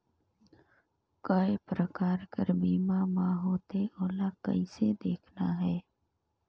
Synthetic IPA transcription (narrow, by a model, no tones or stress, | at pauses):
kəepɾəkaːɾkəɾbiːmamãɦoːt̪eoːlakə̰ised̪eːkʰnaɦɛː